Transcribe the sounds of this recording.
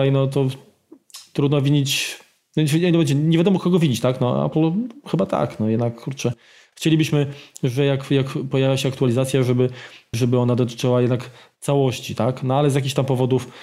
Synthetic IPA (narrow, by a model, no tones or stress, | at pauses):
ajnɔt̪̬ɔ | t̪ɾud̪nɔvʲiɲit͡ɕ | nɔailɛbɛt͡ɕɛɲeɛvʲjad̪ɔmɔkɔɡɔvʲid͡ʑit͡ɕt̪aknɔa̰plxɘbat̪a̰knɔjɛd̪nakkʰːuɾt͡ʂɛ | xt͡ɕelʲibɘɕmɘʐɛjakjakpɔjavʲjaɕɛakt̪ualʲizat̪sʲjaʐɛbɘʐɛbɘɔnad̪ɔt̪̬ɘ̥t͡ʂɘwajɛd̪nakt̪sawɔɕt͡ɕit̪aknɔalɛzjak̬ʲiçt̪ampɔvɔd̪uf